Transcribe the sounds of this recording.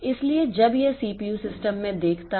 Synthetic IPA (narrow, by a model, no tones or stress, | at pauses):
ɪslied͡ʒɐbjesiːpiusɪsʈəmːẽd̪eːkʰt̪a